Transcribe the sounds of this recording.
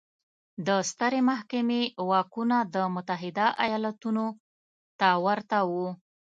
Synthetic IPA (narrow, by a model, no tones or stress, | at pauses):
d̪əst̪əɾemaɦkamewɑkunad̪əmʊt̪aɦɪd̪aʔa̰jɑlat̪uno | t̪awaɾt̪awu